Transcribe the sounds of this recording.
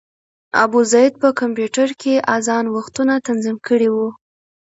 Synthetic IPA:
a̰buzɑjed̪̚pəkampjuʈaɾkʰeʔazɑnwaxt̪unat̪anzimkəɽiwu

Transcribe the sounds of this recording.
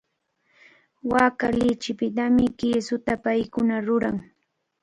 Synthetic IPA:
waːkalɪt͡ʃɪpɪt̪amɪkɪːsʊt̪apajkʊnaɾʊɾaŋ

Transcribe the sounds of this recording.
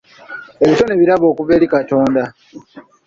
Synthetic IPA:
e̞βito̞neβiɾaβo̞ːkuve̞ːlikato̞ːnda

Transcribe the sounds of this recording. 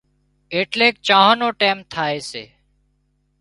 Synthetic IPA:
eːʈleːk̚t͡ʃãːɦaːnõːʈeːmt̪ʰaːeːsḛː

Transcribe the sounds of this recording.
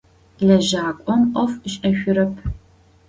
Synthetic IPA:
ɮɐʒaːkʷʼɔmqʷʼɔfɕʼɐʃʷʊɾɐpʰ

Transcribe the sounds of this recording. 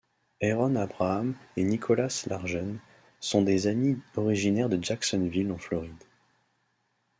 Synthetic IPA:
ɛʁɔnabʁaːmenikʰɔlaslaʁʒɔn | sɔ̃d̪ezamiɔʁiʒinɛʁd̪əd͡ʒaksɔnvilɑ̃flɔʁid̪

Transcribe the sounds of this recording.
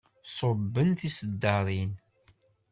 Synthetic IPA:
sˤobːənθisəd̪ːɑɾˤin

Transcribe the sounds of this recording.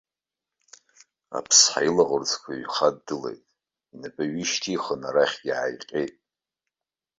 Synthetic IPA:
a̰pʰsħa̰jilaʁʊrt͡sʰʼkʷʰaɥχadːɨle̞̰jtʼ | inapʼaɥiʃtʰiχənaɾaχʲɡʲiʕajqʲʼejtʼ

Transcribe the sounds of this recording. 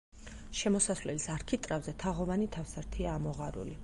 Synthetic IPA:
ʃɛmɔsasvlɛlisaɾkʰit̪ʼɾavzɛt̪ʰaʁɔvanit̪ʰafsaɾt̪ʰiaːmɔʁaɾṵli

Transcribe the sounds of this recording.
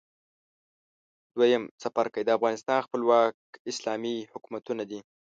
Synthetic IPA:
d̪̥wajəmsafaɾkəjd̪əafɣɑnɪst̪ɑnxpəlwɑk̚ɪslɑmihʊkumat̪unad̪i

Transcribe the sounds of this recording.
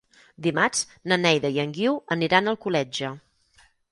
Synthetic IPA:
d̪imat͡ʃ | nənɛjðəjəŋɡiwəniɾanəlˠkulɛd͡ʒə

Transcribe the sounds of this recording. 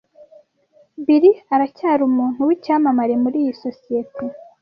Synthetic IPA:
biɾiaɾacaːɾumuːn̥huwicaːmamaɾe̞muɾiːjiso̞sijetʰe

